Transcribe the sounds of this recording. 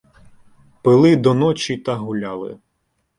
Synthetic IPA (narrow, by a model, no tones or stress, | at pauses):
pɪlˠɪd̪ɔnɔt͡ʃʲit̪ɐɦulʲalˠɪ̰